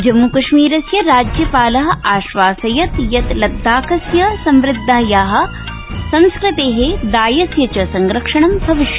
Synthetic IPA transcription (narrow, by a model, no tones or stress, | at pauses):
d͡ʒɐmːukɐʃmiːɾɐsjɐɾaːd͡ʒjɐpaːlɐɦɐ̆aːʃʋaːsɐjɐt̪jɐt̪lɐd̪ʱːaːkɐsjɐsɐmʋɾɪd̪ʱːaːjaːɦɐ̆ | sɐ̃nskɾɪt̪eːɦed̪aːjɐsjɐt͡ʃɐsɐŋɡɾɐkʂɐɳɐmbʱɐʋiʃjɐ